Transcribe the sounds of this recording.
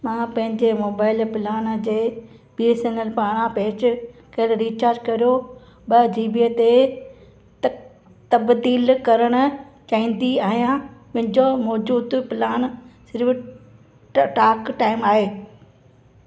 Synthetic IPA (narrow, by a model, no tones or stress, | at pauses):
mãːpɐ̃ɦɪ̃ɲd͡ʑemoːbaːɪlpɪlaːnd͡ʑeː | biːesenəlpaːɽ̃ãpeːt͡ɕkɐɦɪɽɾiːt͡ɕaːɾd͡ʑkɐɾijo | ɓɐd͡ʑiːbiet̪e | t̪ɐbd̪iːlkɐɾəɽ̃ʊ̆t͡ɕaːĩːnd̪iaːɦijãmɐ̃ɦɪ̃ɲd͡ʑomɔːd͡ʑuːd̪pɪlaːnsɪɾf | ʈaːkʈaːɪmaːɦeː